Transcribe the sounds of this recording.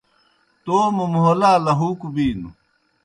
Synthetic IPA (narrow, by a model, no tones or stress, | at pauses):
t̪oːmumɦolaːlɐɦuːkubiːnu